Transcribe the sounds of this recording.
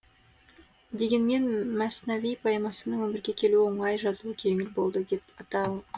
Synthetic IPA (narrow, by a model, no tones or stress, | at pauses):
d̪e̞ɡʲe̞nme̞nmæsnavijpʰɑjmɑsənəɴwɵmɪɾɡʲe̞kʲʰe̞luwo̞ɴɑjʒɑzuəkʲʰe̞ŋɪlbo̞lˠd̪əd̪e̞pɑt̪ɑw